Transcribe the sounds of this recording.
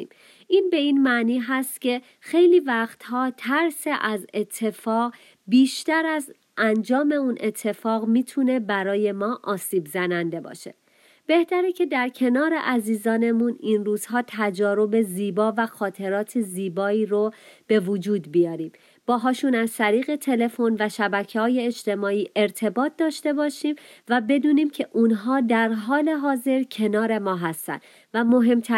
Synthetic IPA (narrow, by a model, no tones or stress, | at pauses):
im | ʔiːnbe̞iːnmæniːɦæst̪cʲʰe̞ | xe̞jliːvæχt̪hɒːt̪ʰæɾseʔæzet̪ʰːe̞fɒːɣ | biːʃt̪æɾæz | ʔænd͡ʒɒːme̞unʔe̞t̪ʰːe̞fɒːɣmiːt̪ʰune̞bæɾɒːje̞mɒːʔɒːsiːbzænænd̪e̞bɒ̰ːʃe̞̰ | b̥e̞ht̪æɾecʰe̞d̪æɾcʰe̞nɒːɾe̞̰ʔæziːzɒːne̞muninruːz̥hɒːt̪ʰæd͡ʒɒːɾo̞be̞ziːbɒːvæxɒːt̪ʰe̞ɾɒːt̪ʰeziːbɒːiːɾob̥e̞vod͡ʒuːd̪bijɒːɾiːm | b̥ɒːɦɒːʃunæzt̪ʰæɾiːɣe̞t̪ʰe̞le̞fo̞nvæʃæbæcʰehɒːje̞ːʃt̪e̞mɒːiːʔe̞ɾt̪ʰe̞bɒːt̪̚ʰd̪ɒːʃt̪e̞bɒːʃimvæbe̞d̪uːniːmcʰe̞ʔunɦɒːd̪æɾɦɒːle̞ɦɒːze̞ɾcʰe̞nɒːɾe̞mɒːɦæst̪æ̰nd̪ | væmo̞ɦe̞mt̪ʰæ